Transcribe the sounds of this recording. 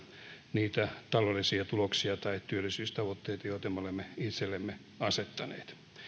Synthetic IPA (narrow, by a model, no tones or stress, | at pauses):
niːt̪æt̪ɑlolːˑisiɑt̪uloksiɑt̪ɑitt̪yølːisyːst̪ɑʋot̪ːeit̪ɑjoit̪ɑmeolemːeit̪selːemːe | ɑset̪ːɑnḛːt̪